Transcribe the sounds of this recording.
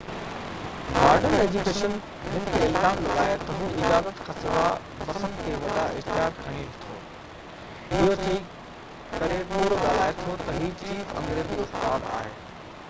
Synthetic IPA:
ɡaːɾɖəneːd͡ʑukeːʃən | ɦʊnɪ̆t̪ʰeɪlzaːmlɐɡaːet̪ɐɦuʔɪd͡ʑaːzət̪kʰãːsɪza | mɐsənk̪ʰeːʋɐɗaʔɪ̰ɦt̪ɪɦaːt̪̚kʰɐɽ̃ĩt̪ʰo̰ː | ɪɦotʰii | kɐɾepuːɾoɗaːlaːet̪ʰot̪ɐɦiːt͡ʃʰiːfɐ̰̃ŋɡɾeːziʊst̪aːd̪a̰ːɦḛː

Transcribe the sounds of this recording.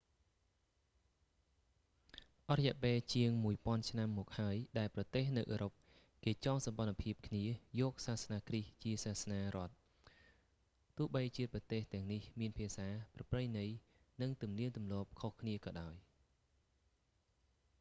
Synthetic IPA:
ʔɑt̪rɑjɛəʔpeːlt͡ɕiəŋmuəjpŏənt͡ɕʰnamːɔːk̚haəjɗaɛlprɑt̪eːhnɨwʔəːɾop̚ | keːt͡ɕɑŋsɑmɓɑnpʰiəp̚kʰniəjɔːk̚saːhsnaːkriht͡ɕiəsaːhsnaːrŏət̪̚ | ʊ̆əhɓəjt͡ɕiəprɑt̪eːht̪ɛ̆əŋnihmiənpʰiəsaːprɑprəjnɨj | nɨŋt̪umniənt̪umlɔːp̚kʰohkʰniəkɑːɗaɔj

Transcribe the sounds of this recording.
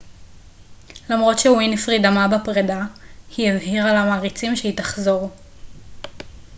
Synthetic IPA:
lamʁo̞tʃewinifʁid̪amabapʁedahievhiʁalamaːʁit͡simʃeitaχzo̞ʁ

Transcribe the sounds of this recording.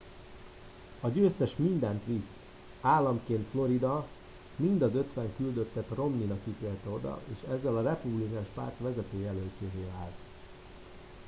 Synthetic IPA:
ɒɟøːst̪ɛʃmind̪ɛnt̪ʋis | aːlːɒmkeːnt̪flo̞ɾid̪ɒ | mind̪ɒzø̞t̪ʋɛŋkyld̪ø̞t̪ːɛt̪ro̞mninɒkːit̪eːlt̪ɛo̞d̪ɒ̰ʔeːʃɛzːɛlɒrɛpublikaːnʃpa̰rt̪ʋɛzɛt̪øːjɛlølt͡ʃeːveːaːlt̪

